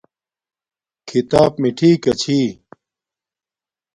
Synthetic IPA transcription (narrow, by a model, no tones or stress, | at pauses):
kʰit̪aːpmiʈʰiːkɐt͡ɕʰiː